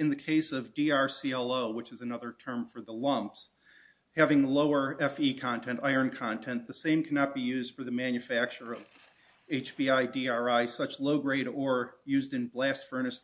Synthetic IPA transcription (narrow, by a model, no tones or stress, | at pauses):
ɨ̃nðɨkʰeɪsʌvdiɑɹsiɛlˠoʊwət͡ʃɨzɨnʌðə˞tʰɜ̃˞ɱfə˞ðəlʌ̃mps | hævɪ̃ŋloʊə˞ɛfikʰɑ̃ntʰɛ̃ntaɪə̃˞nkʰɑ̃ntʰɛ̃nðɨsẽɪ̃mkʰænɑt̚b̥ijʉzd̥fə˞ðɨmæ̃njɨfæk̚t͡ʃə˞ʌv̥ | eɪt͡ʃb̥iaɪdiɑɹaɪsʌt͡ʃloʊɡɹeɪɾə˞jʉzdɨ̃nblæstfɜ˞nɨs